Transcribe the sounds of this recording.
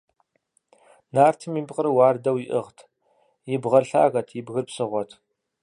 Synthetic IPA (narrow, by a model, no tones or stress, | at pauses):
naːrtʰɨmiːpqəɾɨwaːrdɐwjɪʔɨʁtʰ | jɪbʁɐrɬa̰ːɣɐtʰjɪbɣɨrpsɨʁʷɔtʰ